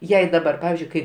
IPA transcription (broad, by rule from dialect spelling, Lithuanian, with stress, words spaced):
ˈjɛɪ dɐˈbɐr ˈpɑːʋʲɪzʲd͡ʒʲʊɪ kɐɪ